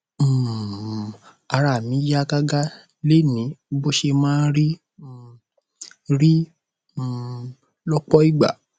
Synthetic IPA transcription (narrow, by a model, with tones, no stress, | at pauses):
a˧ɾa˨mĩ˨˦ja˦ɡa˦ɡa˦ | le˦˨nĩ˨˦bo˦ʃe˧mãː˦ɾi˦˨ | ɾi˦˨ | lɔ˦k͡pɔ˦i˦ɡ͡ba̰˨